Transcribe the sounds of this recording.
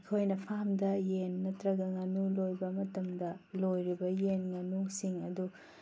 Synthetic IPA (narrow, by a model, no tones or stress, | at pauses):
kʰojnɐpʰamdɐjenːɐtɾɐɡɐŋɐnulojbɐmɐtɐmdɐlojɾibɐjenŋɐnusiŋɐdu